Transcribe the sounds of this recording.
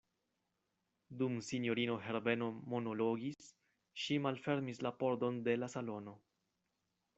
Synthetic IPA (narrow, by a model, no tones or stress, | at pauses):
dumsinjo̞ɾino̞ɦe̞ɾbe̞no̞mo̞no̞lo̞ɡis | ʃimalfe̞ɾmislapo̞ɾdo̞nde̞lasalo̞no̞